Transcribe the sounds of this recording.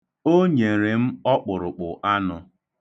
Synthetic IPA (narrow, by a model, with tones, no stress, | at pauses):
o˦ɲe˨ɾe˨m̩˦ɔ˦k͡pʊ˨ɾʊ˨k͡pʊ˨ʔa˦nʊ˨